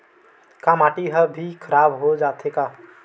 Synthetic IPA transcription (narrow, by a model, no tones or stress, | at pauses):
kamaʈiɦəbʱikʰəɾabɦod͡ʒat̪ʰeka